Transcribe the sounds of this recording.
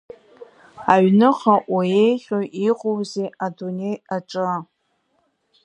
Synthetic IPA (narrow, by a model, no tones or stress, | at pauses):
aɥnɨχaʔajejχʲoɥʔiqʷʼowzeadunejaʈ͡ʂʼɨ